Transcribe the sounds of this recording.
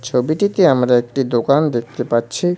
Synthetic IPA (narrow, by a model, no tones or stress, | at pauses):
t͡ɕʰobiʈit̪eamɾaek̚ʈid̪okand̪ek̚t̪epaɾt͡ɕʰi